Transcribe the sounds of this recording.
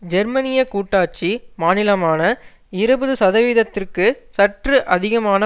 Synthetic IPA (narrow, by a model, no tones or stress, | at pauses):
d͡ʒɛɾmɐnɪjɐkuːʈːaːt͡ʃːimaːnɪlɐmaːnɐ | ɪɾɯbɯðɯsɐðɐʋiðɐt̪ːɪrkɯsɐʈrɯʔɐðɪɣɐmaːnɐ